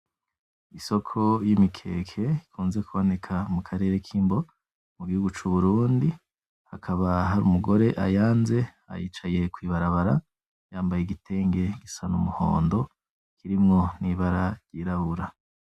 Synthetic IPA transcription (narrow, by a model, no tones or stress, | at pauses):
iso̞kʰo̞jimikʰe̞̰ːkʰe̞ikʰuːnze̞kuβo̞ne̞kʰamukʰaɾe̞ːɾe̞kʰiːmbo̞ | muɡihuɡut͡ʃuβuɾuːndi | hakʰaβaɦaɾṵmuɡo̞ɾe̞ʔa̰jaːnze̞ | a̰jiːt͡ʃaje̞kwiːβaɾaβaɾa | jaːmbajeɡitʰe̞ːŋɡe̞ɡisanumuho̰ːndo̞ | kʰiɾimŋo̞niβaɾaɾɟiɾaβuɾa